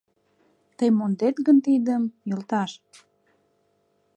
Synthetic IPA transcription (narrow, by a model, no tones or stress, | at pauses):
t̪əjmond̪et̪ɣənt̪id̪əmjəlt̪ɑʃ